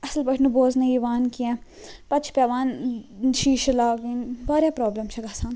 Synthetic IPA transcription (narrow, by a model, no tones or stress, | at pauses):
ɐsəlbɐʈʰnuboːzneiːʋaːnkijɛ̃ː | pɐt̪t͡ʃʰpʲaːʋaːnʃiːʃɐlaːʋiːnbaːɾʲjaːpɾoːblemt͡ʃʰɐɡaːsãːn